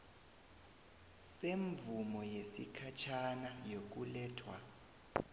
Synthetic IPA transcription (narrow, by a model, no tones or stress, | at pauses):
seɱvumɔjesḭkʰat͡ʃʰanajok̬ulɛːtʰwa̰